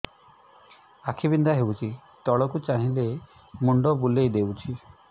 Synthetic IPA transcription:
akʰibind̪aɦewt͡ʃʰi | t̪ɔɭɔkut͡ʃaɦĩle | muɳɖɔbulejd̪ewt͡ʃʰi

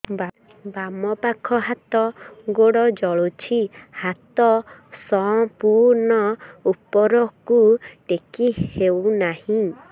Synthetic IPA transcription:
bamɔpakʰɔɦat̪ɔɡoɽɔd͡ʒɔɭut͡ʃʰihat̪ɔsɔpuɾnɔupɔɾɔkuʈekihewnahĩ

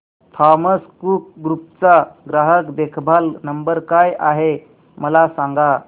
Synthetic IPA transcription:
t̪ʰɔməskuːk̚ɡɾup̚t͡saɡɾaɦəkd̪ekʰbʱalnəmbəɾkajʔaɦe | məlasaŋɡa

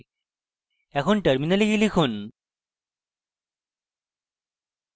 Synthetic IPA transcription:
ɛkʰonʈəɾminɐliɡilikʰun

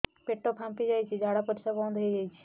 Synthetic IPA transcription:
peʈːopʰãmpid͡ʒaːjt͡ʃʰid͡ʒʱaːɽapəɾsabɔ̃ːnd̪ʱəid͡ʒaːit͡ʃʰi̥

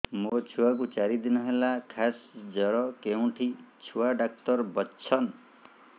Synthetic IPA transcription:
mot͡ʃʰuwak̬ut͡ʃaɾid̪inɔɦelakʰasd͡ʒʌɾɔkeũʈʰit͡ʃʰuwaɖakʈɔɾbʌsʰʌn

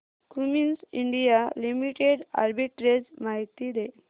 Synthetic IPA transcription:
kuminsiɳɖijalimiʈeɽa̰ɾbiʈɾed͡zmaɦit̪id̪e

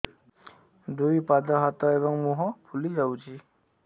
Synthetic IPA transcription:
d̪ujpad̪ɔɦat̪ɔeβɔŋmuɦɔpʰulid͡ʒawt͡ʃʰi

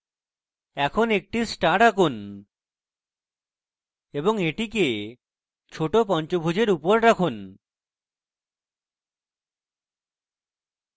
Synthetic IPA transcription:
ɛkʰonek̚ʈisʈaʈakun | eboŋeʈike | t͡ɕʰoʈop̬ɔnt͡ɕobʱud͡ʑeɾupoɾɾakʰun

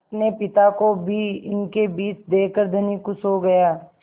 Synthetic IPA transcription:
pnepɪt̪akobʱiɪnkebiːt͡ʃd̪eːkəɾd̪ʱɐnikʊsɦoɡɐjaː

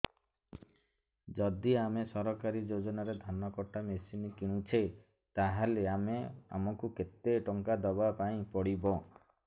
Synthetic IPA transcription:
d͡ʒɔd̪iamesɔɾɔkaɾid͡ʒod͡ʒɔnaɾed̪ʱanɔkɔʈamesinikiɽ̃ũt͡ʃʰe | t̪aɦaleamea̰mɔkuket̪eʈɔŋkad̪ɔbapaĩpɔɽibɔ

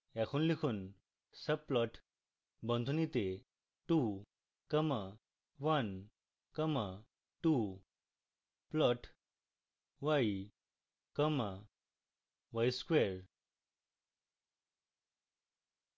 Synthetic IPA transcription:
ɛkʰunlikʰuːn | səb̚pːlɔʈʰ | bə̃nd̪ʱunit̪e | ʈu | kəma | ʋən | kəma | ʈu | plɔʈʰ | ʋai | kəma | ʋajskʋeɾ

